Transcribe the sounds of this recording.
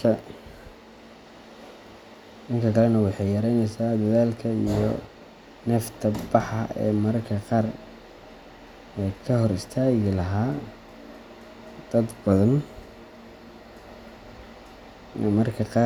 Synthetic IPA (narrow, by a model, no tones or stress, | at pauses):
ɐ | ʔɪŋkʰɐkʰɐlɛnɐwɑħɑjjɐɾɛjnɛjsaːd̪ɐðaːlkʰɐḭjɔ | nɛːft̪ʰɐbɑħɑ̰ɛ̰ːmɐrkʰɐqɑːr | ɛjkʰɐɦɔɾɪst̪ʰaːɣɪlɐɦaː | d̪̥ɐd̪bɐðɐn | mɐrkʰɐqɑː